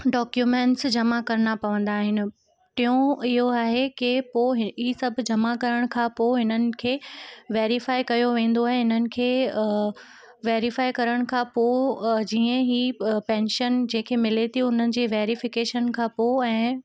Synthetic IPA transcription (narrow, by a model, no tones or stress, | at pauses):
ɖɔːkjumẽːɳʈsd͡ʑɐmakɐɾɪnapɐʋə̃nd̪aːɦɪnɪ̆ | t̪ijõɪɦoaːɦekɪpoːɦɦisɐbʱʊ̆d͡ʑɐmakɐɾəɽ̃kʰãːpoːɦɪnənɪ̆kʰeːʋeːɾifaːikɐjoʋẽːn̆d̪oaːɦẽɦɪnənɪ̆kʰeː | ʋeːɾifaːikɐɾəɽ̃kʰãːpoːd͡ʑiːə̃ɦipɛ̃ːnʃənd͡ʑẽːkʰemɪlet̪ʰiʊn̤ənɪ̆d͡ʑeːʋeːɾifɪkeːʃənkʰãːpoːɛ̃ː